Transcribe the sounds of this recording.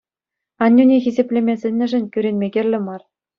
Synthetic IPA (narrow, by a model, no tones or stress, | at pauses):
ɑnʲːunʲexʲizʲepʲlʲemʲesʲɘ̆nʲːɘ̆ʐɘ̆nʲkʲyɾʲenʲmʲeɡʲĕrʲlʲɘ̆mɑr